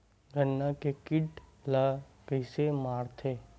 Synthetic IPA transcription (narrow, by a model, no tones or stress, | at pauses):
ɡʱənːakekɪʈlakəɪsemaːɾt̪ʰeː